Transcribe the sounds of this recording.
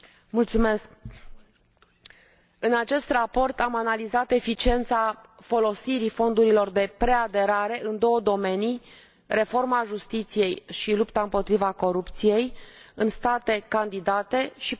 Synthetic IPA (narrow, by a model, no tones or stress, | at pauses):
mult̪sume̞sk̚ | ɨnat͡ʃe̞st̪rapo̞rt̪amanalizat̪e̞fit͡ʃie̞nt̪safo̞lo̞siɾifo̞nd̪uɾilo̞rd̪e̞pɾe̞ad̪e̞ɾaɾe̞ʔɨnd̪o̞wəd̪o̞me̞ni | re̞fo̞rmaʒust̪it̪sije̞jʃilupt̪aɨmpo̞t̪ɾivako̞ɾupt̪sije̞jɨnst̪at̪e̞kand̪id̪at̪e̞ʃi